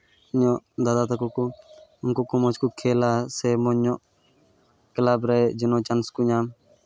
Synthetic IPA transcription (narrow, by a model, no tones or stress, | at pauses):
iɲɔʔd̪ad̪at̪akɔkuʊnkɔkɔmɔt͡ʃkukʰɛlasɛmɔɲɔʔ | klabɾɛd͡ʒɛnɔ̃t͡ʃanskuɲam